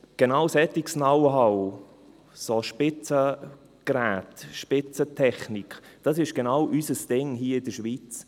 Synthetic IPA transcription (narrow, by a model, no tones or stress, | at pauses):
ɡ̥enaʊsɛt̪iksnawɦɑw | soʃpɪt͡sə | ɡ̥ræːt̪ʃpɪt͡sətʰɛχnikʰd̥ɑsɪʃɡ̥enawʔysəsd̥ɪŋɦiːəɪd̥əʃʋit͡s